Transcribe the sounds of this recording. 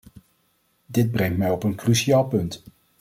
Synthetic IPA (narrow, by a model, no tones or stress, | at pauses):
dɪd̚brɛŋtmɛjɔpənkrysiaːlˠpɵnt